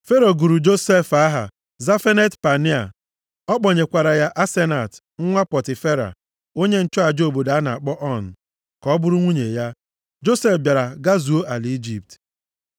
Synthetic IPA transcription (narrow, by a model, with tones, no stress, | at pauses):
fe˦ɾo˨ɡu˨ɾu˨d͡ʒo˦se˦˨fa˦ɦa̰˨ | za˦fe˦ne˦tpa˨ni˦a̰˨ | ɔ˦k͡pɔ˨ɲe˨kʷa˨ɾa˨ja˦ʔa˦se˦na˨t | ŋ̩˦ŋʷa˦pɔ˨tɪ˨fe˦ɾa̰˨ | o˦ɲe˦n̩˦t͡ʃɔ˦a˨d͡ʒo˨bo˨da˨a˦na˨a˨k͡pɔ˦ʔɔ˦˨n̩˨ | kɔ˦bʊ˦ɾʊ˦ŋʷu˦ɲe˨ja˦ | d͡ʒo˦se˦fbja˨ɾa˨ɡa˦zu˨o˦ʔa˨li˦d͡ʒi˦˨p̚t